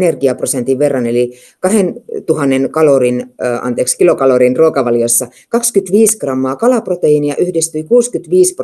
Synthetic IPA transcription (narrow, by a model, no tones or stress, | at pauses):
nerɡiɑprosent̪iʋʋerːɑneli | kɑhent̪uhɑnːenkɑlorinːɑ̰nt̪eːkskilokɑlorinruokɑʋɑljosːɑ | kɑkskyt̪ʋiːskrɑmːɑːkɑlɑprot̪eiːniɑʔyhdist̪yikuːskyt̪ʋiːsp